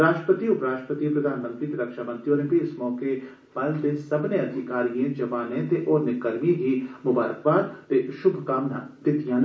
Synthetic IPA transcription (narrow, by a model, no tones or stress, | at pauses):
ɾaːʃʈɾəpət̪iʊpɾaːʃʈə̥pət̪ipɾɐd̪ʱaːnmə̃nt̪ɾit̪eɾɐkʃaːmɐ̃nt̪ɾjõnẽbʱiɪsmɔːke | b̥ɐlt̪esɐbneɐd̪ʱɪkaːɾijẽd͡ʒɐʋaːnẽt̪eʔɔːɾnɪkɐɾmiɦimʊbaːɾəkbaːt̪t̪eʃʊbʱkaːmna̰d̪ɪt̪ijãːn